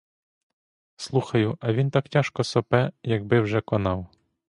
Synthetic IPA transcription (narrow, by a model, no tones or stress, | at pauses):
slˠuxɐjʊʔɐʋʲint̪ɑktʲɑʃkɔsɔpɛjɐɡ̚bɪwʒɛkɔnɑw